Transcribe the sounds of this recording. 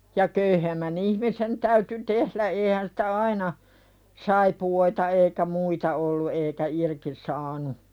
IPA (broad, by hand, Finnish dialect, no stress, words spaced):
jɑ køyhemːæn ihmisen tæyty tehlæ eːhæn si̥tæ ɑinɑ sɑipuoitɑ eikæ muitɑ olːu eːkæ irki sɑːnu